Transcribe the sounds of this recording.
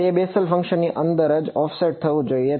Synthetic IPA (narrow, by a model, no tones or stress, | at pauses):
iebesəlfə̃ŋkʃənːiʔənd̪əɾəd͡ʒɔfseʈ̚t̪ʰəʋũd͡ʒoie